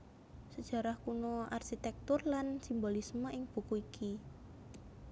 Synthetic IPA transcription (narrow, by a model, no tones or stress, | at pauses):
səd̥ʒ̥a̤ɾahkunoa̰rʃit̪ɛk̚t̪ʊrlansimbolisməʔɪŋb̥ṳkuikʰi